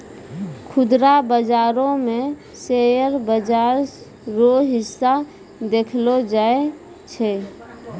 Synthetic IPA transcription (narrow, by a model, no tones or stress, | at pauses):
kʰʊd̪ɾabəd͡ʒaːɾõmẽ | sejəɾbəd͡ʒaːɾ | ɾoɦɪsːa | d̪eːkʰlod͡ʒaːe | t͡ʃʰɛ